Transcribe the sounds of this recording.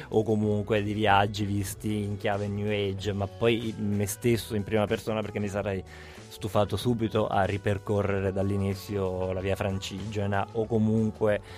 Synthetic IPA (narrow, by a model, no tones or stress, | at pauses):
okːomuŋkwed̪iviad͡ʒːivist̪iːŋkjaːvenjuɛd͡ʒmapːɔjmest̪esːoimpɾiːmapersoːnaperk̟emːisaɾaj | st̪ufaːt̪osuːbit̪oʔa̰rːiperkorːeɾed̪alːinit̪sːjolaviːafɾant͡ʃid͡ʒenaʔokːomuŋkwe